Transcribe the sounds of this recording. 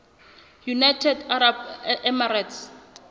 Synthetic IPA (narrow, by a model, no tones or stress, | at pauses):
junajtʰɛdaɾabɛmaɾats